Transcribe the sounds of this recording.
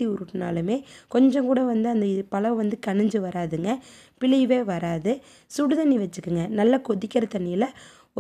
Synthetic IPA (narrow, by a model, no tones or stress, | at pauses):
iʊɾɯʈːɯna̰ːlɯmeːkɔɲd͡ʒɔ̃ŋkuːɽɐʋɐnd̪ɯɐnd̪ɐɪðɯpɐlɐʋʋɐnd̪ɯkɐɳɪɲd͡ʒɯʋɐɾaːðɯŋɡɐ | pɪɭɐɪʋeːʋɐɾaːðɯ | sʊɽɯðɐniʋɐt͡ʃːɯkːɯŋɡɐnɐlːɐkɔðɪkʲːɐɾɐt̪ɐnːɪjɪlɐ | ɔ